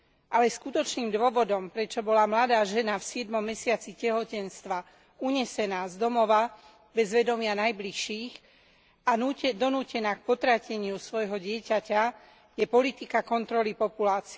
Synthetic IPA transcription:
ʔalɛskut̪ɔt͡ʃniːmd̪ʊɔʋɔd̪ɔmpɾɛt͡ʃɔbɔlamlad̪aːʒɛnafsɪɛd̪mɔmːɛsɪat͡sicɛɦɔcɛnst̪ʋa | uɲɛsɛnaːzd̪ɔmɔʋa | bɛzʋɛd̪ɔmɪanajbliʃːiːx | ad̪ɔnuːcɛnaːk̚pɔt̪ɾacɛɲɪusʋɔjɦɔɟɪɛcaca | jɛpɔlit̪ikakɔnt̪ɾɔlipɔpulaːt͡siɛ

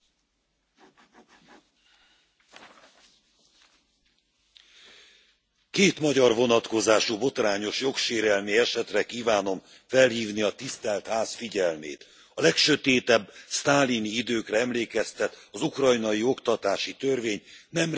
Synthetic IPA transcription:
keːt̪mɒɟɒrvo̞nɒt̪ko̞zaːʃubo̞t̪raːɲo̞ʃjo̞kʃeːɾɛlmiɛʃɛt̪rɛkiːvaːno̞m | fɛlhiːvniɒt̪ist̪ɛlt̪haːsfiɟɛlmḛːt̪ | ɒlɛkʃøt̪eːt̪ɛbːst̪aːliniid̪øːkrɛɛmleːkɛst̪ɛt̪ɒzukrɒjnɒjio̞kt̪ɒt̪aːʃit̪ørveːɲnɛm

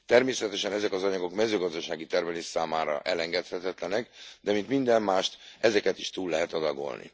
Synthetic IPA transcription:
t̪ɛrmeːsɛt̪ɛʃɛnɛzɛkɒzɒɲɒɡo̞kmɛzøːɡɒzd̪ɒʃaːɡit̪ɛrmɛleːʃsaːmaːɾɒ̰ʔɛlɛŋɡɛt̪hɛt̪ɛt̪lɛnɛkd̪ɛmint̪mind̪ɛmːaːʃt̪ɛzɛkɛt̪i̥ʃt̪uːlːɛɦɛt̪ɒd̪ɒɡo̞̰lnʔḭ

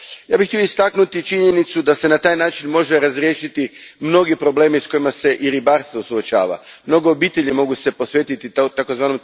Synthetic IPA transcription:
jaːbixːt̪io̞ist̪aknut̪it͡ʃiɲe̞nit̪sud̪ase̞nat̪aːjnaːt͡ʃinmo̞ʒe̞ɾazɾje̞ːʃit̪imno̞ɡipɾo̞ble̞ːmiisko̞imase̞ʔiɾibaːɾst̪ʋo̞suot͡ʃa̰ːʋa̰mno̞ɡo̞obiːt̪e̞ʎimo̞ɡuse̞po̞sʋe̞ːt̪it̪it̪akozʋaːnom

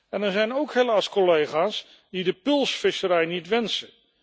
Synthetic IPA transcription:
ɛnɛɹzɛjnowkɦelaːskolejχaːs | didəpɵlˠsfɪsəɾɛjnitʋɛnsə

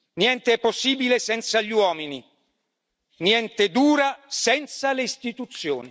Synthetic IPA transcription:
njɛnt̪eɛpːosːiːbilesɛnt̪saʎiwɔːmini | njɛnt̪ed̪uːɾasɛnt̪saleist̪it̪ut̪sːjo̰ːni

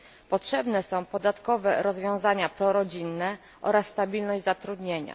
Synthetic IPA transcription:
pɔtʂɛbnɛsɔ̃w̃pɔd̪at̪kɔvɛɾɔzvʲjɔ̃w̃zaɲapɾɔɾɔd͡ʑinːɛ | ʔɔ̰ɾasːt̪abʲilnɔʑd͡ʑʲzat̪ɾud̪ɲeɲa̰

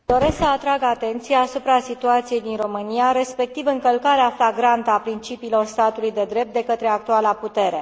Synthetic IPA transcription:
d̪o̞ɾe̞sksəat̪ɾaɡat̪e̞nt̪sijaːsupɾasit̪uat̪sije̞jd̪inro̞mɨniaɾe̞spe̞k̚t̪ivɨŋkəlkaɾeaflaɡɾant̪əapɾint͡ʃipiːlo̞rst̪at̪ulujd̪e̞d̪ɾe̞p̚t̪̚d̪e̞kət̪ɾe̞ak̚t̪ualaput̪e̞ɾe̞

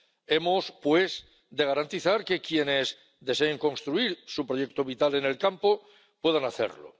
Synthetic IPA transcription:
e̞mospwe̞s | d̪e̞ɣ̞aɾant̪iθaɾke̞kje̞ne̞z | d̪e̞se̞ːŋko̞nst̪ɾuiɾsupɾo̞je̞k̚t̪oβit̪ale̞ne̞lkampo̞ | pwe̞ð̞anaθe̞̰ɾlo̰

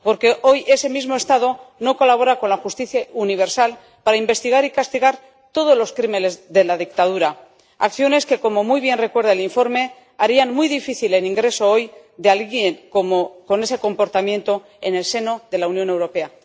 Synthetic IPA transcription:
po̞ɾke̞ʔo̞jʔe̞se̞mizmo̞e̞st̪aðo̞no̞ko̞laβo̞ɾako̞nlaxust̪iθjauniβ̞e̞ɾsal | paɾaimbe̞st̪iɣaɾikast̪iɣaɾ | t̪o̞ð̞ozlo̞skɾimene̞zðe̞laðik̚t̪að̞uɾa | a̰kθjo̞ne̞ske̞ko̞mo̞mujβje̞nre̞kwe̞ɾðaeliɱfo̞ɾme̞ | aɾianmujðifiθile̞niŋɡɾe̞so̞o̞jd̪ealɣjeŋkomoko̞ne̞se̞ko̞mpo̞ɾt̪amjẽ̞nt̪o̞ | ene̞lse̞no̞ðe̞launjo̞ne̞wɾo̞pe̞a

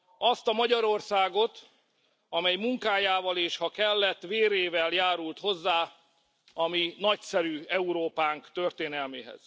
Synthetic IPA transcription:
ɒst̪ɒmɒɟɒɾo̞rsaːɡo̞t̪ | ɒmɛjmuŋkaːjaːvɒleːʃhɒkɛlːɛt̪ːveːɾeːvɛljaːɾult̪ho̞zːaː | ɒminɒcsɛɾyːɛuɾoːpaːŋkt̪ørt̪eːnɛlmeːɦɛ̰z̥

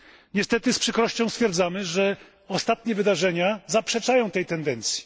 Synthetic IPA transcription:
ɲɛst̪ɛt̪ɘspʂɘkɾɔɕt͡ɕɔ̃w̃st̪fʲjɛɾd̪zamɘʐɛ | ɔst̪at̪ɲɛvɘd̪aʐɛɲazapʂɛt͡ʂajɔ̃w̃t̪ɛjt̪ɛnd̪ɛnt̪sʲji̥

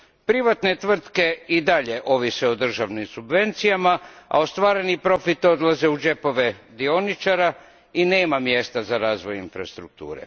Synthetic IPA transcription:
pɾiʋat̪ne̞t̪ʋr̩t̪ke̞id̪aʎe̞ʔo̞ʋiseod̪r̩ʒaʋnimsubʋe̞nt̪sijamaa̰ost̪ʋaːɾe̞nipɾo̞fit̪o̞d̪laze̞ud͡ʒe̞po̞ʋe̞d̪ionit͡ʃaɾa | ine̞ːmamje̞st̪azaɾaːzʋo̞jinfɾast̪ɾuk̚t̪ṵːɾḛ

